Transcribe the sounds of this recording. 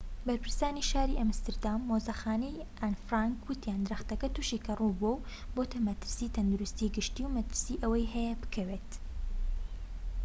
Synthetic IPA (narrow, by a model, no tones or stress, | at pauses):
bɐɾpʰɨɾsaːniʃaːɾiʔɐmst̪ɨɾd̪aːmːoːzɐxaːnɐjʔanfɾaːŋkwʊt̪ijaːnd̪ɨɾɐxt̪ɐkɐt̪uʃiːkʰɐruːbow | bot̪ʰɐmɐt̪ɨ̥ɾsiːt̪ʰɐnd̪uɾust̪iːɡɨʃt̪iːwmɐt̪ɨɾsiːʔɐwɐjɦɛjɐbɨ̥kʰɐwet̪